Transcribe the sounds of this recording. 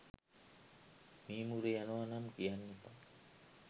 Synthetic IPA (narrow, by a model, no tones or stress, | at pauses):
mimuɾeanoanamkianːit̪a